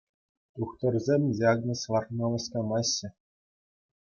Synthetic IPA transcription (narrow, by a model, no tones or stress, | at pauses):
t̪uχt̪ɤ̆rzʲemʲdʲiɑɡnʲɤ̆sʋɑrxnolɤ̆skɑmɑɕːɘ̆